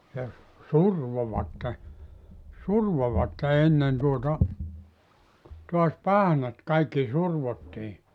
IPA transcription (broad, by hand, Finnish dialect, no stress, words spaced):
jɑ surʋoʋɑtːe surʋoʋɑtːe enːen tuotɑ tuɑs pɑhnɑt kɑikːi surʋotːi